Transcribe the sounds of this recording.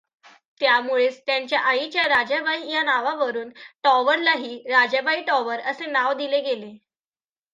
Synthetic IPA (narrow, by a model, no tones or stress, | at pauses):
t̪jamuɭet͡st̪jaɲt͡ɕjaʔait͡ɕjaɾad͡ʑəbʱaijanaʋaʋəɾuːnʈɔʋəɾlaɦiːɾad͡ʑəbʱaiʈɔʋəɾəsenaʋd̪ileɡele